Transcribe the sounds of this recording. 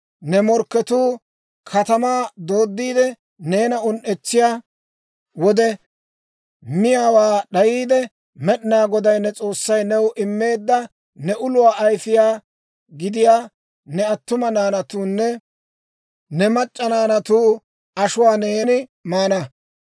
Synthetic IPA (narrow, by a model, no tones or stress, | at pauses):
nɛmɔɾkːɛt̪uː | kʰɐt̪ɐmaːd̪o̞ːd̪ːiːd̪ɛ | ne̞ːnɐʊnʔɛt͡sːɪjaː | wɔd̪ɛ | mɪjaːwaːɗɐjiːd̪ɛ | mɛɗnaːɡɔd̪ɐjnːɛt͡sʼo̞ːsːɐjnɛwʔɪmːe̞ːd̪ːɐ | nɛʔʊlʊwaːʔɐjfɪjaː | ɡɪd̪ɪjaː | nɛɐt̪ːʊmɐnaːnɐt̪uːnːɛ | nɛmɐt͡ʃʼːɐnaːnɐt̪uː | ɐʃʊwaːneːnɪmaːnɐ